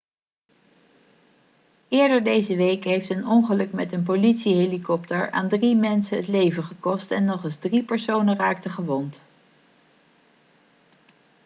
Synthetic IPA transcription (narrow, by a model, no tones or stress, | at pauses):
ɪːɹdəɹdejzəʋejkɦejftənɔŋχəlɵkmɛtənp̬olitsiɦelikɔptəɹa̰ːndrimɛnsənɦətlejvəχəkɔstɛnːɔχɪzdripəɹsownəraːk̚təχəʋɔnt